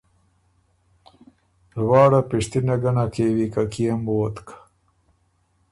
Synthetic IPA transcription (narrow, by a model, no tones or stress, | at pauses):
lwɑːɽapiʂt̪inaɡanakewikakijamoːt̪kḁ